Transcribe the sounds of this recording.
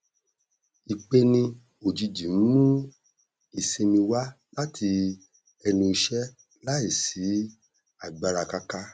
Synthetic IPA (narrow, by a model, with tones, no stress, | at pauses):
i˨k͡pe˧nĩ˧ | o˨d͡ʒi˧d͡ʒi˨m̩˦mũ˦ | i˨se˧nĩ˧wa˦ | la˦tʰi˧ | ɛ˧nĩ˧i˧ʃɛ˦ | la˦i˦˨si˨˦ | a˦˨ɡ͡ba˧ɾa˧ka˧ka˦